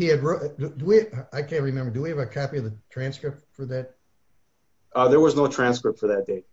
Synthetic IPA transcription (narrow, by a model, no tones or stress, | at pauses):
hiɨd̚ɹodɨdəwiaɪkʰæ̃nt̚ɹɨmɛ̃mbə˞dɨwiɨvɨkʰɑpiʌvðɨtʰɹ̥æ̃nskɹɪp̚tfə˞ðæt̚ | ʔʌðə˞wʌznoʊtʰɹ̥æ̃nskɹɪp̚tfə˞ðɨt̚d̥eɪ